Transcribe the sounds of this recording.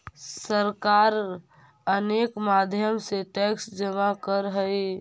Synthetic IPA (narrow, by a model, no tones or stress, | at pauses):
səɾkaɾ | ənekmad̪ʱjəmseʈɛksd͡ʒəmakəɾɦəj